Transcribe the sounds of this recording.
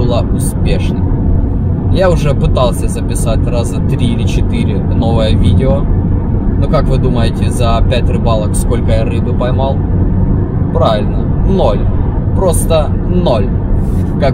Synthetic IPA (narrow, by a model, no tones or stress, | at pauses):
ɨlˠaʔʊspʲeʂnɨm | jaʊʐɛpɨt̪alˠsʲəzəpʲɪsatʲrazət̪ɾʲiɪlʲɪt͡ɕɪt̪ɨɾʲɪ | no̞vəjəvʲidʲɪo | nokakvɨd̪uməjɪtʲɪzəpʲætʲrɨbalˠəksko̞lʲkəjaɾɨbɨpɐjmɑlˠ | pɾavʲɪlʲnə | no̞lʲ | pɾo̞st̪ə | no̞lʲ | kak